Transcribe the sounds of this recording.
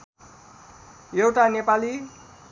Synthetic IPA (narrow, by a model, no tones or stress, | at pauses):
jewʈanepali